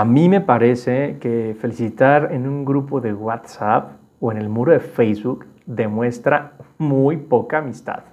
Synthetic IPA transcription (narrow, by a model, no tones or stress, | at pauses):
amĩme̞paɾe̞sekefe̞lisit̪aɾenuŋɡɾupo̞ðe̞ɣwat̪sap | oe̞ne̞lmuɾoðe̞fejzβuk | d̪e̞mwe̞st̪ɾamujpo̞kaːmist̪a̰ð